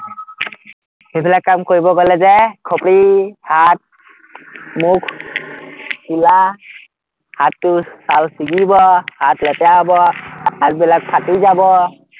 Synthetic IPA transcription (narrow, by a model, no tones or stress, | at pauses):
hebilakːamkʰoɹibɔɡɔlɛzɛkʰɔpɹihat̚ | mukʰ | sula | hatːʊsalsiɡibɔhatlɛtɛabɔhat̚bilak̚pʰatizabɔ